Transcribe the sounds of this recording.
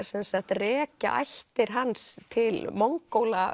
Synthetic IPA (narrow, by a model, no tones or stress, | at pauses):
sɛnsaht̪rɛːca̰ʔa̰jht̪ɪɾ̥ɦanst̪ʰɪlmoŋkːowla